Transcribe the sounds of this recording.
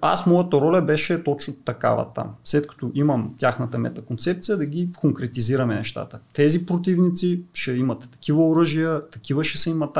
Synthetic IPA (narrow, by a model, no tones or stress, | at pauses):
a̰smɔjɐt̪əɾɔlʲɛbɛʃɛt̪ot͡ʃnʊt̪ɐka̰vɐ̰t̪a̰mslɛt̪kɐ̥t̪oʔimɐmt̪ʲjaxnət̪ɐmɛ̰t̪ɐkont̪sɛp̚t̪sijəd̪ɐɡʲikoŋkɾɛt̪iziɾɐmɛnɛʃt̪a̰t̪ət̪ɛzipɾot̪ivnit̪siʃɛimɐt̪ːɐ̥k̟ivəoɾɤʒijət̪ɐkivəʃɛsɛimɐt̪